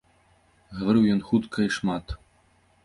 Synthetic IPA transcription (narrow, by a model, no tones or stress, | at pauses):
ɣɐvaɾɨwjɔnxut̪kʰɐiʂmat̪